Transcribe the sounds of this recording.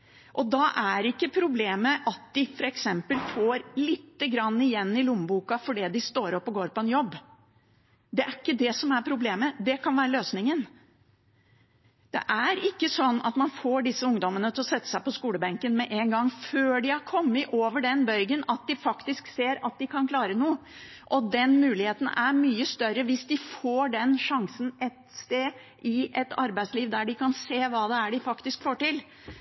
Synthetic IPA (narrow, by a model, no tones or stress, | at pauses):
ʔɔd̪ɑʔæɾɪkːəpʰɾʊbleːməʔɑt̪̚d̪ɪfɔɾɛksɛmpəlfoːɾlɪt̪ːəɡɾɑnːɪjɛnːɪlʊmːbuːkɑfɔɖɛːd̪ɪst̪oːɾɔpːɔɡoːɾpɔɛnjɔbː | d̪ɛʔæɾɪkːəd̪ɛsɔmæɾpʰɾʊbleːməd̪ɛkʰɑnʋæːɾəløːsnɪŋən | d̪̥ɛ̰ʔæɾɪkːəsɔnːɑ̰t̪mɑnfoːɖɪsːəʊŋd̪ɔmənət̪ʰɪlɔsɛt̪ːə̥sæɪpɔskuːləbɛŋkənmɛʔɛŋɡɑŋːføːɖɪhɑɾkʰɔmːəʔoːʋəɖɛnbœɾɡənɑt̪̚d̪ɪfɑkt̪ɪskseːɾɑt̪̚d̪ɪkʰɑnkʰlɑːɾənuːə | ʔɔd̪ɛnmʉːlɪheːt̪ən̩æɾmyːəst̪œɾəʋɪsd̪ɪfoːɖɛnʂɑŋsənʔɛt̪st̪eː | ʔɪʔɛt̪ʰɑ̰ɾbæɪsliːʋd̪æɖɪkɑnseːʋɑːd̪ɛæɖɪfɑkt̪ɪskfoːʈɪl